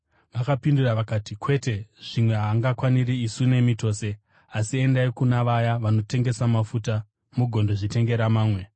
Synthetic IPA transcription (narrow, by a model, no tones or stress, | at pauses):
ʋakapinduraʋakaːtikwe̞te̞ʐ̥imwe̞ɦaːŋɡakwaniɾiisune̞mito̞ːse̞ | asie̞ndaikunaʋajaʋano̞te̞ŋɡe̞samafuta | muɡʱo̞ndoʐite̞ŋɡe̞ɾamaːmwe̞